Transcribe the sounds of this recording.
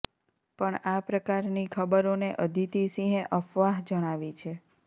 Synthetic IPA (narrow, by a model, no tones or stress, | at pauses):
pəɳapɾəkaɾnikʰəbəɾoneʔəd̪ʱit̪isĩɦẽʔəfʋaɦd͡ʒəɽ̃aʋit͡ʃʰe